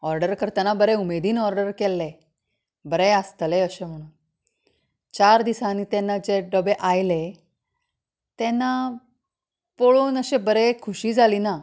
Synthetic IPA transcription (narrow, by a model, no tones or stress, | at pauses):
ɔɾɖəɾkəɾt̪anabəɾeumed̪iːnɔɾɖəɾkelːe | bəɾeəst̪leəɕem̤əɽ̃uːn | t͡ɕaɾd̪isaniːt̪ɛnːad͡ʑeɖəbeʔajle | t̪enːa | poɭuːnəɕebəɾekʰuɕiːd͡zʱaliːna